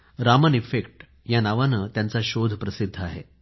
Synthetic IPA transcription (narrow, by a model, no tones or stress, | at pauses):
ɾamənifekʈ | janaʋanət̪jant͡saɕod̪ʱpɾəsid̪ʱːəaɦe